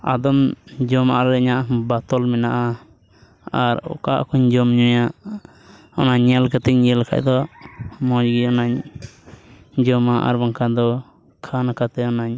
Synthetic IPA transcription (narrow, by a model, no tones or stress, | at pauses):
a̰d̪ɔmd͡ʒɔmaʔɾɛɲaʔbat̪ɔlmɛnaʔa | aɾɔ̰kaʔkʰuɲd͡ʒɔmɲɔjaʔ | ɔnaɲːɛlkat̪ɛɲɲɛlakʰa̰ʔd̪ɔmɔd͡ʒɡiɔnaɲ | d͡ʒɔmaʔa̰ɾbaŋkad̪ɔ | kʰanakat̪ɛɔnaɲ